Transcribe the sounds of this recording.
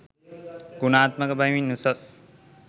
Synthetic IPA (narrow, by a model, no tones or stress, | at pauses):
ɡ̥unaːt̪mɐɡɐbɐjminːusɐs